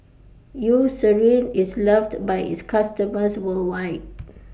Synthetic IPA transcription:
jusəɹĩnislɛfdbajḭtskʰastəməswəlwajt̚

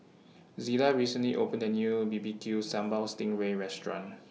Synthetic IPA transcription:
zilaɹisə̃nliʔopə̃ndənjubibikʰjusãmbalstɪ̃ŋɹeɹɛstɹɔ̰̃n

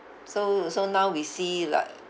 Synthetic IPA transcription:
sosonaʊwisila̰ɪk̚

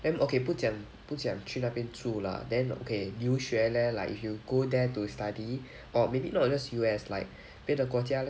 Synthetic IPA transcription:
dɛ̃nʔokeput̚dãŋ | put̚sãŋtʰɹĩnapĩntʰɹula̰dɛ̃no̰kʰemjuʃɛlɛlaɪkifjuɡodɛtustadi | ʔɔmebinɔt̚d͡ʒasjuɛslaɪk̚ | pedəkwɔt̬ia

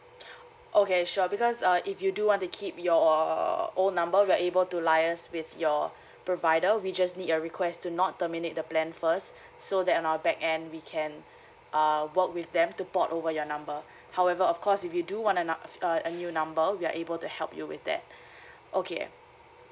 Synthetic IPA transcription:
ʔokeʃɔbikɔsʌʔɪfjuduwɔ̃ntukʰip̚jɔ | onnãmbəwiaʔebəltulaɪəswɪθjɔ | pɹovaɪdəwid͡ʒasnidəɹikʰwɛstunɔt̚təminet̚dəplɛ̃nfəst | sodɛtɔ̃nawəbɛkɛ̃ndwikʰɛ̃n | ʔʌwək̚wɪθdɛ̃mtupɔtovəjɔnãmbə | hawɛvəɔfkʰɔsifjuduwɔ̃ntəənjunãmbəwia̰ʔebəltuhɛlˠpjuwɪ̰θdɛ̰t̚ | ʔokʰḛ

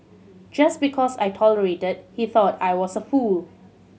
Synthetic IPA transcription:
d͡ʒasbikʰɔsa̰jtʰɔləɹetəd̚hiθɔtajwɔsəful

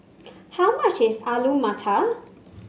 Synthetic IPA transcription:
hawmat͡ʃɪsalumatʰal

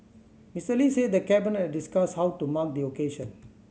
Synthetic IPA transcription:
mistəlised̪əkɛbinət̚diskashawtumak̚d̪iokeʃə̃n

